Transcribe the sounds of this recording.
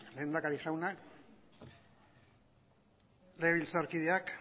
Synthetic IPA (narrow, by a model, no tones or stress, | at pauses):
le̞ːnd̪akaɾixawnak | leβilt͡saɾkiðeak